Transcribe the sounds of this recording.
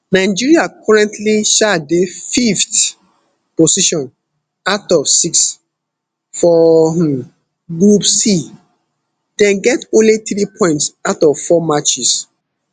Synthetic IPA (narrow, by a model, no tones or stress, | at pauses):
naɪd͡ʒiɹiakʰɔɹɛ̃ntliʃadefift | posiʃɔ̃n | aʊtɔvsiks | fɔ | ɡɹupsi | d̥ɛ̃nɡɛtõnliθɹipʰɔ̃ɪ̃ntsaʊtɔvfɔmat͡ʃis